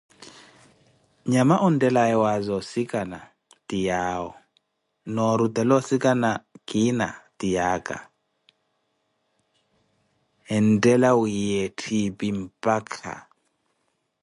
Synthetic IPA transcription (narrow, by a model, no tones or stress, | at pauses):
ɲamaʔɔndʼɛlajɛwazɔsikʼana | tʼijaːwɔ̰ | nɔɾut̪ɛlɔsikʼanakʼina̰tʼijaːkʼa̰ | ɛntʼɛlawujetʰipʼimpʼakʰa̰